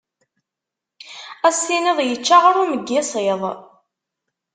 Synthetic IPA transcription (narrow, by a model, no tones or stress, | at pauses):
æsːinəðˤjət͡ʃːaʁɾuməɡːɪsˤeðˤ